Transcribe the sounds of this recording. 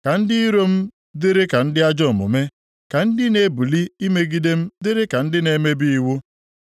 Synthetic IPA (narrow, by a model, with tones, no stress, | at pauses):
ka˨n̩˦dɪ˦i˦ɾo˦m̩˦ | dɪ˦ɾe˦ka˨n̩˦dɪ˦a˦d͡ʒɔ˦˨mʊ̰˨me˦ | ka˨n̩˦dɪ˦ne˨bu˨li˦i˦me˦ɡi˦de˦m̩˦dɪ˦ɾe˦ka˨n̩˦dɪ˦ne˨me˦bi˦i˦wʊ˦